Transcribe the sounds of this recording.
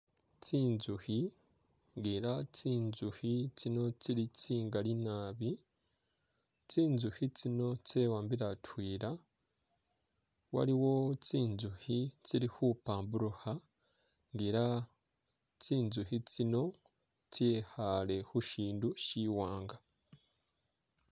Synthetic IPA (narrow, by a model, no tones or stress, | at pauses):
t͡siːnzuhi | ŋɡiɾat͡siːnzuhit͡sino̞t͡siɾit͡siːŋɡalinaːβi | t͡siːnzuhit͡sino̞t͡sewaːmbiɾatwiːɾa | wa̰ɾiwo̞t͡siːnzuhit͡siɾihupaːmbuɾuha | ŋɡiːɾa | t͡siːnzuhit͡sino̞ | t͡sehale̞huʃiːnduʃiːwaːŋɡa